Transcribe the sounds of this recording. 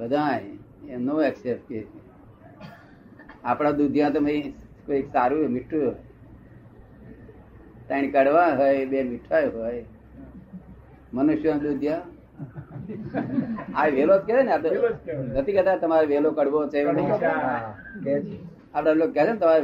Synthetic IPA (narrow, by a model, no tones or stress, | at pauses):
bəd̪ʱãjenoːɛksep̚ʈ̚ke | apɽ̃ãd̪ud̪ʱjãt̪əmẽ | koeksaɾũmiʈʰːuoj | t̪əinkəɽʋãɦojbemiʈʰajɦoːj | mənuʃjãd̪ud̪ʱjã | aiʋelotkeɾeneapenət̪ʰikət̪at̪ɐmaɾeʋelokəɽʋot͡ʃʰeən | apɽãʋlokkɛsʰenet̪əmaɾe